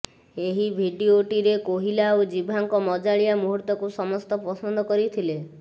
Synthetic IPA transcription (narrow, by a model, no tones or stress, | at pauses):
eɦibʱiɖioʈiɾekoɦilaod͡ʒibʱaŋkɔmɔd͡ʒaɭijamuɦuɾt̪ɔkusɔmɔst̪ɔpɔsɔnd̪ʱɔkɔɾit̪ʰile